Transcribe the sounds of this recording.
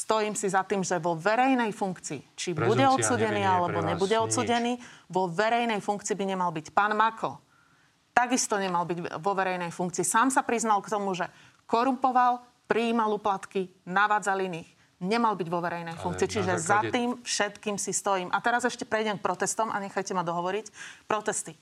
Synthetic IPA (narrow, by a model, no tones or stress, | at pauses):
st̪ɔjiːmsizat̪iːmʒɛʋɔʋɛɾɛjnɛjfuŋkt͡siːt͡ʃibuɟɛɔt̪t͡suːɟɛniːalɛbɔɲɛbuɟɛɔt̪t͡suːɟɛniːʋɔʋɛɾɛjnɛjfuŋkt͡siːbiɲɛmalbicpaːnmakʰɔ̰ | t̪aɡist̪ɔɲɛmalbiɟʋɔʋɛɾɛjnɛjfuŋkt͡siːsaːmsapɾiznalkt̪ɔmuʒɛ | kɔɾumpɔʋal | pɾiːmaluplat̪kinaʋaːd͡zaliniːx | ɲɛmalbiɟʋɔʋɛɾɛjnɛjfuŋk̚t͡siːt͡ʃiʒɛzat̪iːmfʃɛt̪kiːmsist̪ɔjiːmʔat̪ɛɾazɛʃcɛpɾɛjɟɛmk̚pɾɔt̪ɛst̪ɔmʔa̰ɲɛxajcɛmad̪ɔɦɔʋɔɾicpɾɔt̪ɛst̪i